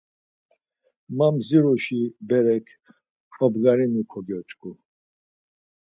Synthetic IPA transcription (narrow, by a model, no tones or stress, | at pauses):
mamziɾɔʃibɛɾɛkʰ | ħɔbɡaɾinukʰɔɡɔt͡ʃʼkʼu